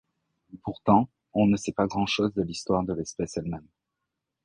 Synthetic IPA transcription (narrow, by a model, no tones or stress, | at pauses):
puʁt̪ɑ̃ | ɔ̃nəsɛpaɡʁɑ̃ʃozd̪əlist̪waʁd̪əlɛspɛsɛlmɛm